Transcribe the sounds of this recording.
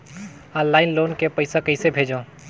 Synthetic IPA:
ɔ̃nllaːɪnloːnkepəɪsakəɪsebʱeːd͡ʒõː

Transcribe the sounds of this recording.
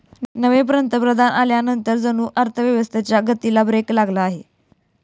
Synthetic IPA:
nəʋep̬ɾənt̪əpɾəd̪ʱanʔaljanənt̪əɾd͡zənuːʔəɾt̪ʰəʋjəʋəst̪ʰet͡ɕjaɡət̪ilabɾeklaɡlaːɦe

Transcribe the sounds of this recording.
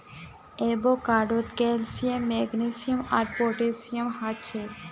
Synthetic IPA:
ebokaɖot̪kɛlsiemːɛɡnisiomaɾpoʈesiemhatːt͡ɕʰe

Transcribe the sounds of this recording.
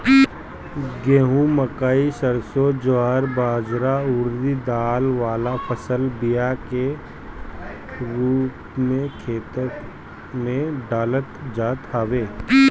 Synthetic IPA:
ɡẽːɦũməkaːisəɾsod͡ʒoɦaːɾbaːd͡ʒɾaʊːɾd̪id̪aːlʋaːlapʰəsəlbijake | ɾuːppmẽkʰeːt̪ək | mẽɖaːlət̪d͡ʒaːt̪ɦaːʋeː

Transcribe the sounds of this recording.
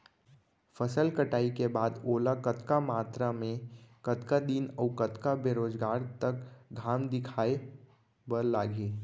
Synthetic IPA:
fəsəlkəʈaːikebaːd̪oːlakət̪kamaːt̪ɾamẽkət̪kad̪iːnəːkət̪kabeːɾoːd͡ʒɡaːɾt̪ɐkɡʱaːmd̪ɪkʰaːe | bəɾlaːɡeː

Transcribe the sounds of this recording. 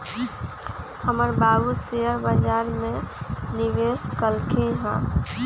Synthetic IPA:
həməɾbaːɡuseəɾbəd͡ʒaːɾmẽniʋeskəlkʰeɦɛ̰̃ː

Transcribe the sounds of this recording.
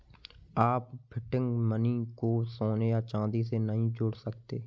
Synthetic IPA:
aːppʰɪʈɪ̃ŋɡməniːkoːsoːnejaːt͡ʃãːd̪is̬eːnəɦĩd͡ʒʊɽsək̚t̪eː

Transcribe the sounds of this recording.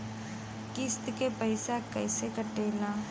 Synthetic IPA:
kɪst̪kepəɪsakɛɪsekəʈeːlaː

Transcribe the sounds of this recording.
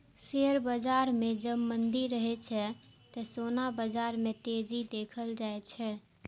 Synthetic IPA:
seəɾbəd͡ʒaɾmẽd͡ʒəbmənd̪iɾːəɦɛt͡ʃʰɛ | t̪əsonabəd͡ʒaɾmẽt̪ed͡ʒid̪ekʰəld͡ʒaet͡ʃʰɛ

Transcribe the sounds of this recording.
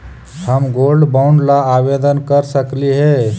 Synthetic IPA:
həmɡolɖbaʊɳɖlaːbed̪ənkəɾsəkliɦe

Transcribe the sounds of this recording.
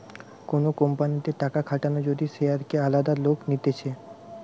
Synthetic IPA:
konokompanit̪eʈakakʰaʈanod͡ʑod̪iʃeaɾkealad̪aloknit̪et͡ɕʰe

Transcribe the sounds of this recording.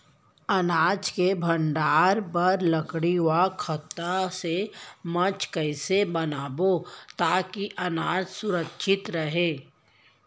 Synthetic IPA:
ɐnaːd͡ʒkebʱə̃ɳɖaːɾpɐɾləkɽiwakʰət̪asemɐt͡ʃkəɪsebɐnaːbot̪aːkiʔɐnaːd͡ʒsʊɾəkʃʰɪt̪ɾəɦeː

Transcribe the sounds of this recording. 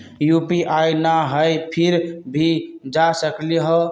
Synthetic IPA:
jupiʔajnaɦəjpʰiɾbʱid͡ʒasəkliɦɔ

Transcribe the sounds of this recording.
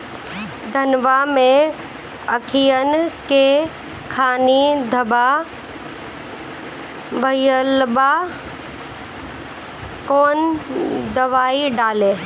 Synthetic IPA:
d̪ʱɐnʋamẽ | ɐkʰijənke | kʰaːnid̪ʱɐba | ʋɐjəlba | koːnd̪ɐʋaːiɖaːleː

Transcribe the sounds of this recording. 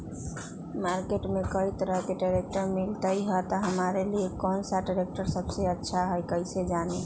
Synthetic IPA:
maɾkeʈmekəɦjt̪əɾəɦkeɖaɾek̚ʈəɾmilt̪əjɦət̪ɔɦəmaɾeliekɔnsaɖaɾek̚ʈəɾsəbseətːʃʰaɦəjkəised͡ʒane

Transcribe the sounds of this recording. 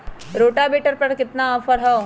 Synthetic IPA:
ɾoːʈaːbeːʈəɾpɐɽkɪt̪naːfəɾɦɐo

